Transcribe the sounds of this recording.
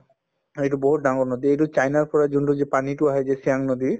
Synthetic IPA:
ejʈubɔɦuʈ̚ɖaŋɡɔnod̪iejʈut͡ʃajnaɾpɔɾad͡ʒuɳʈud͡ʑepaniʈuaɦed͡ʒesiaŋnod̪i

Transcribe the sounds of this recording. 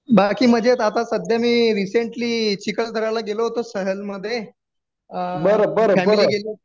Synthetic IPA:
bakiːm̤əd͡ʑet̪at̪asəd̪ʱjamiːɾiseɳʈliːt͡ɕikəld̪ʱəɾalaɡeloɦot̪osəɦəlməd̪ʱːje | əbəɾobəɾofæmiliːɡeli

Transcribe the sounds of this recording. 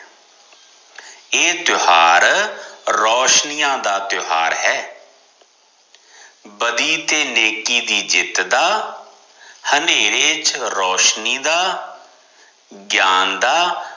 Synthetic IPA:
eːt̪jʊhaːɾ | ɾɔːʃnijãːd̪aːt̪ʊɦaːɾɦɛː | bəd̪iːt̪eːneːkiːd̪iːd͡ʒɪt̪d̪aː | həneːɾeːt͡ʃɾɔːʃniːd̪aː | ɡjaːnd̪aː

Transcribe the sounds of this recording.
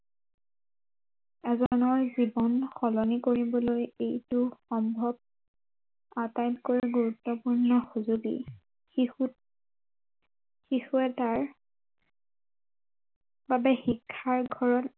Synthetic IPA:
ɛzɔnɔɹzibɔnxɔlɔnikoɹibɔlojejtʊxɔmbʱɔb̚ | atajtkoɹiɡuɹutːɔpuɹnɔxuzuɡḭ | xixuɛtaɹ | babɛxikʰːaɹɡʱɔɹɔt

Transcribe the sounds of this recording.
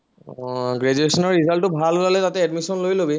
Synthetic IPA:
ɡɹɛd͡ʒuesɔnɔɹɹizaltɔbʱalulalɛtatɛɛdmisɔnlojlobi

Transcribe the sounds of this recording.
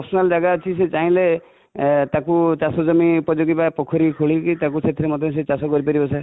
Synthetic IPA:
pɔsɔnald͡ʒaɡaɔt͡ʃʰiset͡ʃaɦĩle | t̪akut͡ʃasɔd͡ʒɔmipɔd͡ʒoɡibapɔkʰɔɾikʰoɭikit̪akut͡ʃʰet̪ʰiɾemɔd̪ʱɔ̃s̬et͡ʃasɔkɔɾipaɾibɔsʰa

